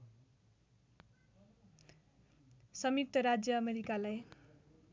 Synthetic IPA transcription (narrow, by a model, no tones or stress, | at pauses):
sʌmik̚t̪ʌɾad͡zjʌːmeɾikalaj